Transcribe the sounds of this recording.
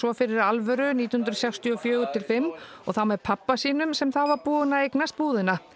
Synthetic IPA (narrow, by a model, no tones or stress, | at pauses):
svɔfɪɾɪɾalvɛɾʏniːihʏnɾʏsɛkst̪ʰjiɔfjœːɣʏt̪ʰɪlfɪmːɔɣθawmɛɾpʰapːasiːnʏmsɛmθawvaɾpuːʏnaejknast̪̚puːðɪna